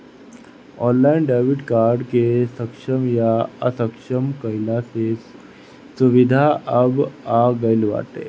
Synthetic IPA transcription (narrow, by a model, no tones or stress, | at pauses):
ɔ̃nlainɖaʋiʈkaɾɖkesəkʂəmjaa̰səkʂəmkəjlases | suʋid̪ʱaəbaɡəjlʋa̰ʈḛ